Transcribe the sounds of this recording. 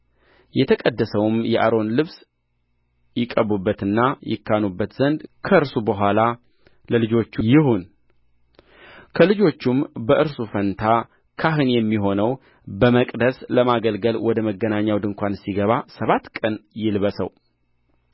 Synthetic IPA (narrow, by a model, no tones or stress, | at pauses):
jɛt̪ʰəkʼəd̪ːəsəwmjɛʔa̰ɾo̞nlɨβs | jɪkʼːəβubːət̪ɨnːajɪ̰kːanubːət̪z̥ənd̪kʰəɨɾsubəɦʷala | ləlɨd͡ʒo̞t͡ʃːujɪhun | kʰəlɨd͡ʒo̞t͡ʃːumbəʔɨɾsufənt̪ʰa | kʰaɦɨnjɛmːiɦo̞nəw | bəməkʼd̪əsləmaɡəlɡəlwɔd̪əməɡːənaɲːawd̪ɨŋkʷʰansiɡəβasəβat̪kʼənjɪlβəsə̰w